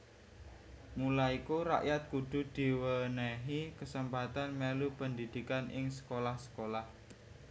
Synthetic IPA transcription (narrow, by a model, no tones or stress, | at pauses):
mulaikuɾa̰ʔjat̪̚kud̪̥ṳd̪̥i̤wənəɦikəsəmpat̪anmelupənd̪id̪̥i̤kanɪŋsə̥kolahsə̥kolah